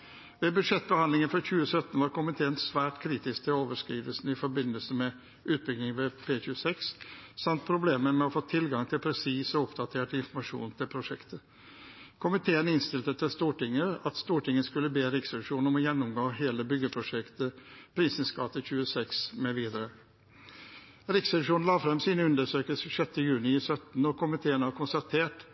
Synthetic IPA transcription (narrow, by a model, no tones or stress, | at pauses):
ʋɛbʉd̪ʂɛt̪̚ːbəhɑnd̪ɪŋənfɾɑçʉːəsœt̪n̩ʋɑɾkʰʊmɪt̪ʰeːənsʋæːʈkʰɾiːt̪ɪsk̚t̪ʰɪloːʋəʂkɾiːd̪əlsn̩ɪfɔɾbɪnːəlsəmɛ | ʔʉːt̪̚bʏɡnɪŋʋɛpʰeːçʉːəsɛkssɑmt̪̚pʰɾʊbleːməɾmɛɔfoːt̪ʰɪlɡɑŋt̪ʰɪlpʰɾɛsiːsəʊpd̪ɑt̪ʰeːʈɪnfɔɾmɑʂṵːnt̪ʰɪlpʰɾʊʂɛkt̪ə | kʰʊmɪt̪ʰeːənɪnst̪ɪlt̪ət̪ʰɪlst̪uːʈɪŋːəɑt̪st̪uːʈɪŋːəskʉlːəbeːɾɪksɑʂuːnnɔmɔjɛnːʊmɡoːɦeːləbʏɡəpʰɾʊʂɛkt̪əpʰɾiːsən̩skɑt̪əçʉːəsɛksmɛʋiːd̪əɾə | ɾɪksɛʂuːnn̩lɑːfɾɛmsiːnəʉnd̪əʂøːkəlsəʂœt̪ːəjʉːnɪsœt̪n̩ɔkʰʊmɪt̪ʰeːənʋɑɾkʊnst̪ɑt̪ʰeːʈ